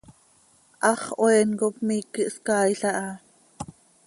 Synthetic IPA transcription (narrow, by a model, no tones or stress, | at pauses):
ʔɑχʔoɛːnkop̚miːkəʔskɑːjɬɑʔɑ